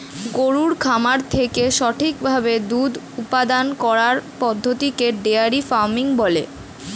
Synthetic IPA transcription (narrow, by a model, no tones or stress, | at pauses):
ɡoɾuɾkʰamaɾt̪ʰekeʃɔʈʰikbʱabed̪ud̪ | upad̪ankɔɾaɾpɔd̪ʱːot̪ikeɖeaɾifaɾmiŋbɔle